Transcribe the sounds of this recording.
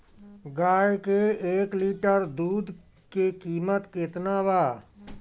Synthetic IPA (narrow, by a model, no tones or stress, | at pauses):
ɡaːjkeeːkliːʈəɾd̪uːd̪ | kekiːmət̪kɪt̪naːʋaː